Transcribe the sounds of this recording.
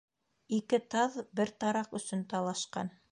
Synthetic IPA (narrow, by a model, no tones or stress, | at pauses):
ikɘt̪ɑðbɘɾt̪ɑɾɑqɵ̆sɵnt̪ɑlˠɑʃqɑ̰n